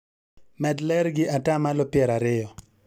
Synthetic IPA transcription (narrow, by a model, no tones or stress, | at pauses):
mɛdlɛɾɡɪatamalɔpɪɛɾaɾɪjɔ